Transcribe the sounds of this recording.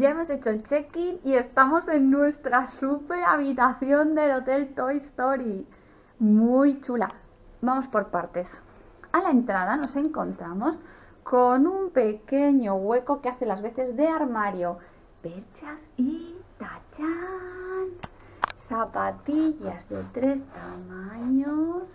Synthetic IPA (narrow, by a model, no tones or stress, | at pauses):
ɟ͡ʝae̞mo̞se̞t͡ʃo̞elt͡ʃe̞kinie̞st̪amo̞se̞nːwe̞st̪ɾasupe̞ɾaβ̞it̪aθjo̞nd̪e̞lo̞t̪e̞lt̪o̞ist̪o̞ɾi | mujt͡ʃula̰ | bamo̞spo̞ɾpaɾt̪e̞s | alae̞nt̪ɾað̞ano̞se̞ŋko̞nt̪ɾamo̞s | ko̞numpe̞ke̞ɲo̞ɣwe̞ɾko̞keaθe̞lazβe̞θe̞zðe̞aɾmaɾjo̞ | pe̞ɾt͡ʃasit̪at͡ʃa | n | sapat̪iʝazðe̞t̪ɾe̞st̪amãɲos